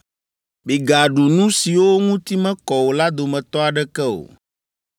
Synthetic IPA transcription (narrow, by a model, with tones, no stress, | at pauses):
bi˨ɡa˨ɖu˨nũ˦si˨wo˦ŋũ˦t̪i˦mɛ̃˦kɔ˨wo˨la˦d̪o˨mɛ̃˨t̪ɔ˦a˨ɖɛ˦kɛ˦o̰˨